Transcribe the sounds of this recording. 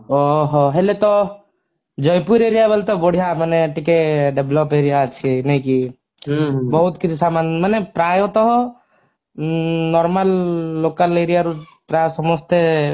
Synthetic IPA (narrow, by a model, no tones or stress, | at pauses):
ɔɦɔɦelet̪ɔ | d͡ʒɔjpuɾeɾijabəlt̪ɔboɽ̤ʱijaməneʈikeɖeblɔpeːɾijat͡ʃʰienɐĩki | bɔɦut̪kit͡ʃʰisamanmənepɾajɔt̪ɔɦɔ | nɔɾməlːoːkəleːɾijaɾu | pɾajsɔmɔst̪e